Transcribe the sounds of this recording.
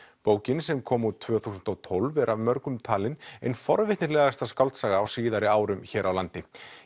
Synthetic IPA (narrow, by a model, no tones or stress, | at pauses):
poːwcɪnsɛmkʰɔːmut̪ʰːvœːθuːsʏnt̪ɔwt̪ʰolvɛɾʔavmœɾkʏmt̪ʰaːlɪnejnfɔɾvɪht̪nɪɾlɛːɣast̪askawlt̪saːɣaːwsiːðaɾɪaːwɾʏmçɛːɾʔawlant̪ɪ